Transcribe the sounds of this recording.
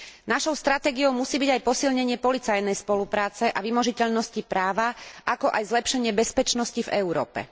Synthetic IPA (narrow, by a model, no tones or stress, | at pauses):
naʃɔʊst̪ɾat̪ɛːɡiɔʊmusiːbiɟajpɔsilɲɛɲɪɛpɔlit͡sajnɛjspɔlupɾaːt͡sɛʔaʋimɔʒicɛʎnɔscipɾaːʋaʔakɔʔajzlɛpʃɛɲɪɛbɛspɛt͡ʃnɔscivɛʊɾɔ̰ːpɛ̰